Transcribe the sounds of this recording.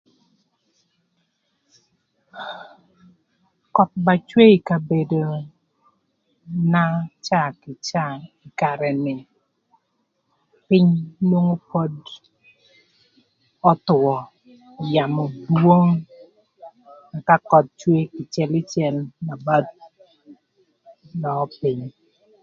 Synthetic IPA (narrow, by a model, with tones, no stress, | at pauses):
kɔ˨t̪̚ba˨t͡ʃwe˦i˨ka˨be˨do˨ | na˦t͡ʃa˦˨kɪ˨t͡ʃa˦˨ɪ˨ka˨ɾɛ˨nɪ˨ | pɪ˦ɲnwo˦ŋo˦po˦d | ɔ˦t̪ʊ˨wɔ˨ | ja˨mɔ˨dwo˦ŋ | a˨ka˦kɔ˨t̪̚t͡ʃwe˦kɪ˨t͡ʃjɛ˦lɪ˦t͡ʃɛ˨lna˨ba˦t̚ | lɔ˨˦pɪ˦ɲ